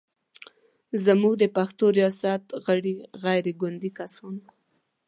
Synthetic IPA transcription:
zamuɡd̪əpaxt̪oɾijɑsat̪ɣəɽiɣajɾeɡʊnd̪ikasɑn

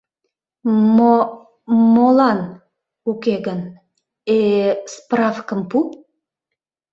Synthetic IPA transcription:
o | molɑn | ukeɣən | esprɑfkəmpu

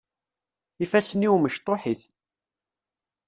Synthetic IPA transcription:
ifæsəniwməʃt̪ˤːoħiθ

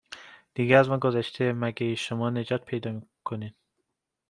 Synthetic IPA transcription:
d̪̥iɡeæzmɒnɡozæʃt̪ʰemæɡeiʃomɒːned͡ʒɒːt̪̚pʰejd̪ɒmikʰonid̪

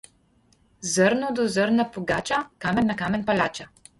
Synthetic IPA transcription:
zɤɾnod̪ozɤɾnapoɡat͡ʃakamɛnːakamɛnpalʲat͡ʃa

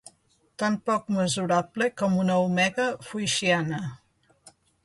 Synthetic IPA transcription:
t̪ampɔkməzuɾablekɔmunəumɛɣəfujʃianə

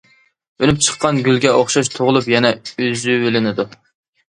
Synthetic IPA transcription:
ønyp̚t͡ʃʰə̥qʰːɑnɡʲylɡʲɛʔoχʃɑʃ̬t̪ʰoʁʊlˠupjɛnɛyzywelɪnɪd̪u

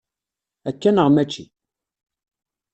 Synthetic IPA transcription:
ækːænəʁmæt͡ʃːḭ

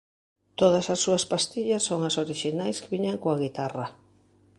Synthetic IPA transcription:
t̪oð̞asasːuaspast̪iʎasːoŋasoɾiʃinajskeβiɲaŋkoaɣ̞it̪ara

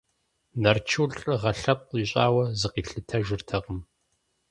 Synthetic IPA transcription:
nɐrt͡ʃʰuɬʼɨʁɐɬɐp̚ʼiɕʼaːwɐzɨqiːɬɨtʰɐʒɪrtʰɐqəm

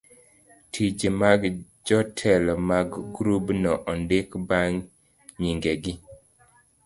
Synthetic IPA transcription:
tʰid͡ʒemaɡ | d͡ʒɔtʰɛlmaɡɡɾubnɔʔɔndekbaŋ | ɲiŋɡeɡi

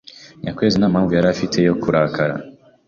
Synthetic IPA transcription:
ɲakweːzinaːmaːɱvujaɾafitʰe̞jo̞kʰuɾakʰaɾa̰

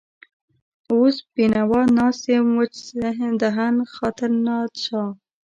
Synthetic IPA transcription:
ospinawɑnɑsemwət͡ʃd̪aɦanxɑt̪əɾnɑt͡ʃɑ

